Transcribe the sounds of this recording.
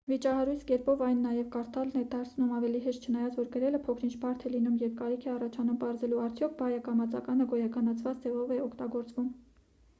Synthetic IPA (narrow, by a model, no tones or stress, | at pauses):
vit͡ʃɑɦɑɾujt͡sʰkɛɾpɔvɑjnːɑjɛvkɑɾt̪ɑlnɛd̪ɑɾt͡sʰnumɑvɛliɦɛʃt̪t͡ʃʰənɑjɑt͡svɔɾkəɾɛləpʰɔkʰɾint͡ʃʰbɑɾt̪ʰɛlinumjɛvkɑɾikʰɛɑrɑt͡ʃʰɑnumpɑɾzɛluɑɾt͡sʰjɔkʰbɑjɑkɑmɑt͡sɑ̰kɑnəɡɔjɑkʰɑnɑt͡sʰvɑt͡sd͡zɛvɔvɛɔkʰt̪ɑɡɔɾt͡svum